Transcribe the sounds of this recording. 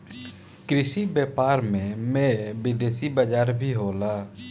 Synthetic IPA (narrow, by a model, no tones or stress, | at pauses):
kɾɪsibjɛːpaːɾmẽmẽbɪd̪eːsibəd͡ʒaːɾbʱiɦoːlaː